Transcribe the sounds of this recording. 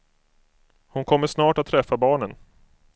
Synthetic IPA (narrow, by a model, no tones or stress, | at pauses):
hʊnkʰɔmːəʂnɑːʈat̪ʰːɾɛfːabɑːɳən